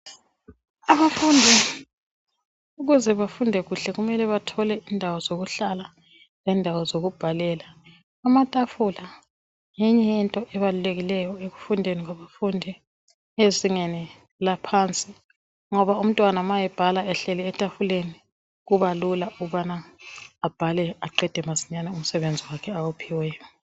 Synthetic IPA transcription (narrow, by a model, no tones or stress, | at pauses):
aβafundʱi | uɣuzɛβafundʱɛɣuɬɛɣumɛlɛβatʰɔlɛindʱawɔzoɣuɬala | lɛndʱawɔzoɣub̥ʱalɛlaː | matʼafula | jɛɲɛjɛntʼɔʔɛβaluleɣilɛjɔeɣufundʱeniɣwaβafundʱi | eziŋɛnɛ | lapʰant͡sʼi | ŋɔβaum̩tʼwanamajɛb̥ʱalaɛɬɛlɛːtʼafuleni | ɣuβalulauβanaː | b̥ʱalɛaǃɛd̥ʱɛmasi̥ɲanɛum̩sɛβend͡zʱiwakʰɛawupʰiwɛːjɔ